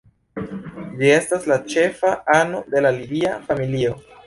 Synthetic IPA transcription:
d͡ʒie̞staslat͡ʃe̞faano̞de̞lalibiafamilio̞

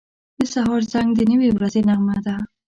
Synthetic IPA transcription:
d̪əsaɦɑɾzaŋɡd̪ənəwewɾazenaɣmad̪a

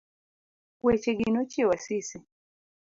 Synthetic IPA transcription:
wɛt͡ʃɛɡinɔt͡ʃiwasisi

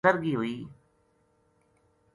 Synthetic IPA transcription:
əɾɡiːɦʊiː

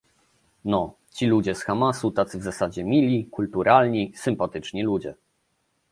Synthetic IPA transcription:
nɔ | t͡ɕilud͡ʑɛsxamasut̪at̪sɘvzasad͡ʑɛmʲilʲikult̪uɾʔalɲisɘmpat̪ɘt͡ʂɲɛlud͡ʑɛ̰

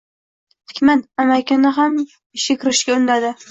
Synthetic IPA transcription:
t̪ʰɪ̥kʲmanamajkʲɪnɪɦam | ɪʃʲakʲʰɪɾɪʃkʲaʊnd̪ad̪ɪ

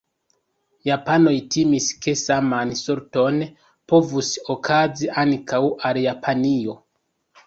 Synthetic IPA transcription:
japano̞jtimiske̞samansoɾto̞n | po̞vuso̞kʰaziʔankʰawʔaljapʰanio̞

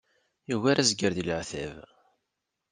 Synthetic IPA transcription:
juwaɾazɡəɾðiləʕθæ̰v

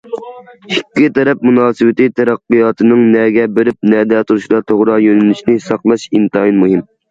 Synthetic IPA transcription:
hikʲːit̪ʰɛɾɛp̚munɑːsɨwɪt̪ɨt̪ʰɛɾæqːɨjɑːt̪ʰɨnɨŋnɛɡʲɛbeɾɪp̚nɛːd̪ɛt̪ʰuɾuʃlˠɑɾt̪ʰoʁɾɑjønɛnyʃnɪsɑqlˠɑʃint̪ɑinmuɦim

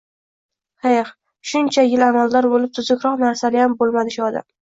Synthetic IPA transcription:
heχ | ʃʊnt͡ʃʰajɪlamald̪aɾbolɪp̚t̪ʰʊzʊkʲɾɒqnaɾsalɪjambolˠmad̪ɪʃʊɒd̪a̰m

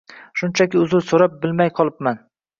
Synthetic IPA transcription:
ʃʊnt͡ʃʰakʲɪʊzʊlsoɾap̚bɪlmajqʰɒlˠɪp̚man

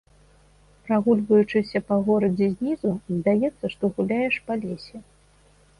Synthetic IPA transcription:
pɾaɣulʲvɐjut͡ʂɨsʲɐpaɣɔɾɐd͡zʲɛzʲnʲizuzʲd̪ajɛt̪sːɐʂt̪ɔɣulʲajɛʂpalʲesʲɛ

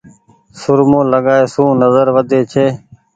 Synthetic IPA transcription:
sʊɾmõːləɡaːeːsũːnəzəɾʋəd̪ʱeːt͡ʃʰeː

